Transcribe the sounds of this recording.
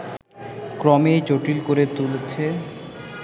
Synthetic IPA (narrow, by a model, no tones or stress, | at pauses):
kɾɔmet͡ɕoʈilkoɾet̪ult͡ɕʰe